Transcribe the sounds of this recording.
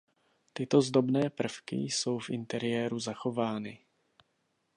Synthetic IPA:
t̪ɪt̪o̞zdo̞bnɛːpr̩fkɪ̰so̞wfʔɪ̰nt̪ɛɾɪjɛːɾuzaxo̞vaːnɪ

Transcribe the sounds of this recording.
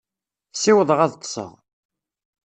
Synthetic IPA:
siwəðˤəʁæðt̪ːˤə̥sˤə̰ʁ

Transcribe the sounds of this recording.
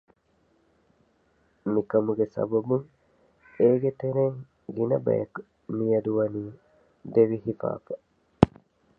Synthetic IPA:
mikɐmuɡesɐ̰bɐbuŋ | eːɡet̪eɾeŋ | ɡinɐ̰bɐ̰jɐku | mijɐd̪uʋɐniː | d̪eʋiɦifa̰ːfɐ

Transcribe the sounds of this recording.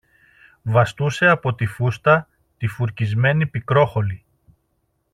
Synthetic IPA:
vɐst̪use̞ɐpo̞t̪ifust̪ɐ | t̪ifuɾcizme̞nipikɾo̞xo̞li

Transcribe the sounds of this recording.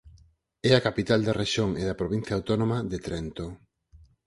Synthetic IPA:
ɛakapit̪ald̪ɐreʃjoŋeðɐpɾoβ̞in̟θjaːwt̪onomɐðet̪ɾɛnt̪o

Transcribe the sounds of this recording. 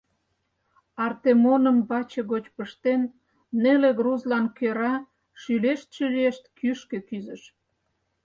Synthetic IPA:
ɑrt̪emonəmbɑt͡ɕĕɣot͡ɕpəʃt̪enː | eleɣruzlɑnkøɾɑ | ʃyleʃt̪̚ʃəlieʃt̪kyʃkekyzə̆ʃ

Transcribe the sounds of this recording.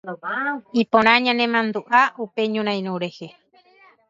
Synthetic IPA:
ipõɾ̃ãɲãnẽmãnd̪uʔaupeɲũɾ̃ãj̃ɾ̃õɾehe

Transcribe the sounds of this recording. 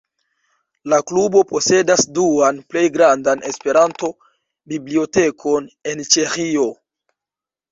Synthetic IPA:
laklubo̞po̞se̞dasduanple̞jɡɾandanʔe̞spe̞ɾanto̞ | biblio̞te̞kʰo̞ne̞nt͡ʃe̞xio̞

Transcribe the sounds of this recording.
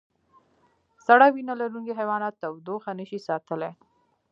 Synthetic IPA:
saɽawinalaɾuŋkiɦajwɑnɑt̪ːawd̪oxanəʃisɑt̪əle

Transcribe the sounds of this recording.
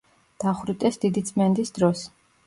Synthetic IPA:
d̪̥aχɾit̪ʼɛsd̪id̪it̪sʼmɛnd̪isd̪ɾɔs

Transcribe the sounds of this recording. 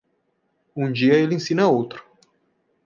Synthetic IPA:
ũd͡ʒiɐelẽsĩnɐowt̪ɾʊ̥

